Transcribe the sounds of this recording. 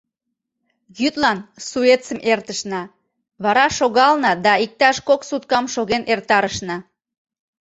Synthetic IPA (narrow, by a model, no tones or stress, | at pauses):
jyt̪lɑnsuet̪t͡səmʔert̪əʃnɑ | βɑɾɑʃoɣɑlnɑd̪ɑik̚t̪ɑʃkoksut̪̚kɑmʃoɣenʔert̪ɑɾəʃnɑ